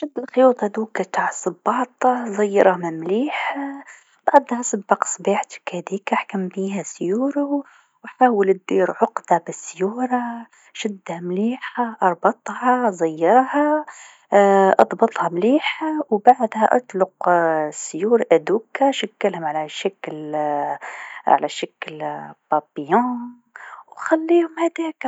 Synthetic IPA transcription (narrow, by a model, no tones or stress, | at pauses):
ʃɪd̪ːɪlxɪjuːt̪ˤʔad̪uːkːat̪aʕsˤɨbːɑːt̪ˤɑzˤɑjːɑ̰ɾˤhmɪmliːħa | b̥aʕd̪hasˤɨbːɑqsˤbiːħt̪kæd̪iːkʔaħkambiːɦæsjuːɾʊ | wħaːwəlɪd̪ːiːɾʕʊqd̪abɪsːjuːɾɑ | ʃɪd̪ːhamliːħaʔɑɾˤbɑt̪ˤhɑzˤajːɑɾˤha | ʔɑd̪ˤbɑt̪ˤhɑmliːħawbaʕd̪hæʔɑt̪ˤlʊqsjuːɾʔæd̪uːkːaʃakːalhʊmʕalæʃakl | ʕa̰læʃakːlbɑpjɑ̃ː | wxalːiːhʊmhæd̪æːk